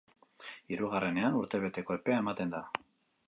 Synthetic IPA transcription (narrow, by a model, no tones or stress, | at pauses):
iɾuɣ̞are̞ne̞anuɾt̪e̞βe̞t̪e̞ko̞epe̞ae̞mat̪e̞nd̪a